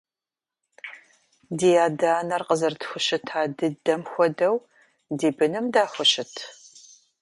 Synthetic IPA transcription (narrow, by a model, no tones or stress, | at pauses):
diːjaːdaːnɐrqəzɐrtxʷʊɕɪtʰaːdɨdɐmxʷɔdɐw | diːbɨnɨmdaːxʷʊɕɪtʰ